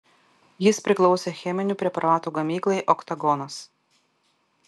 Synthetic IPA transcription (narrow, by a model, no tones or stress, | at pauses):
jɪspʲɾʲɪklˠɔʊsʲɛːxʲɛmʲɪnʲuːˑpʲɾʲɛpɐɾɑːt̪uːɡɐmʲiːklˠɐɪʔɔkt̪ɐɡɔnɐs